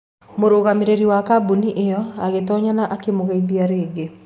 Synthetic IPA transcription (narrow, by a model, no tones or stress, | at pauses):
moɾoɣameɾeɾiwakabuniʔejɔaɣetɔɲanaʔakemoɣaiðiaɾeːɡe